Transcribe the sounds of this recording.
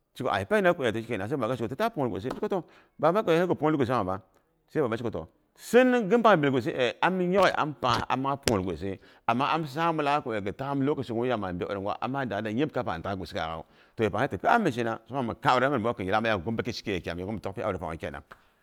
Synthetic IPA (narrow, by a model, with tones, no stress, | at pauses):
t͡ʃi˦ko̰˨a̰˨i˨pa˦i˦na˦ku˨a˨to˨˦t͡ʃi˦ke˨a˨sa˦ba˨ɡa˦t͡ʃi˦ko˨tu˦ta˦pu˦˨ɡʷo̰˨se˦t͡ʃi˦ko˦to˦ | ba˨ba˦ko˨˦e˦ku˨po˦i˦ɡu˨s̬a˨ba˦ | sa˦ba˨ba˦t͡ʃi˦ko˨to̰˨ | si˦n˦ɡə˦mpa˦˨bi˨lɡo˨s̬e˦ʔe˨a˦m˦jo˦ɣi˨ʔa̰˦mpa˨a̰˨ma˦po˨ɾɡo̰˨s̬e˦ | a˨mːa˦a˦m˦s̬a˦mu˦la˦ko˨e˨ɡə˨ta˦m˦lo˦ku˨si˨kja˦˨ma˨be˦o̰˨ɾi˨ŋɡwa̰˦ʔa̰˨mːa˦˨da˨da˨je˦b̚ka˦pa˨ta˦˨ɡu˨si˦a̰˨ɣa̰˨ | to˨je˨pa˨e˦tu˨pe˦a˦mːi˨ʃi˦na˨so˦ma˦˨ma˨ka˦˨u˨ɾa˦˨˦a˦kə˨ji˨la˦ma˦ja˦˨ɡu˦m˦ba˦ke˦t͡ʃi̥˦ke˦je˨kʲa̰˨m˨e˨ɡu˦m˨to˦kpi˦a̰˦˨ɾi˨pa̰˨˦ke˦˨na̰˨ŋ